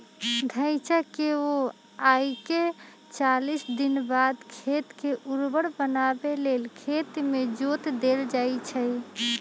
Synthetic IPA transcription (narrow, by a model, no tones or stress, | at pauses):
d̪ʱə̃ɪt͡ʃakeo | aike | t͡ʃalisd̪inbad̪kʰet̪keʔuɾbəɽbənabelelkʰet̪med͡ʒot̪d̪eld͡ʒajt͡ʃʰə